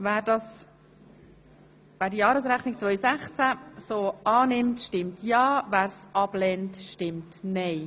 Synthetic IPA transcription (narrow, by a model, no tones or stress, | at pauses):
væːɾdɑs | ʋæːɾdijɑːɾəs̬ɾæχnik̚t͡sʋœʏsæχt͡sæsoːɑːnɪmtʃtɪmtʰjɑːvæːɾsɑb̥lɛntʃtɪmtnɛɪ